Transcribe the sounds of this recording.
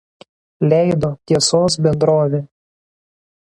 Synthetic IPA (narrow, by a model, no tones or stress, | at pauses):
lʲɛˑɪd̪oːt̪ʲiɛsoːs̬bʲɛnd̪ɾoːʋʲe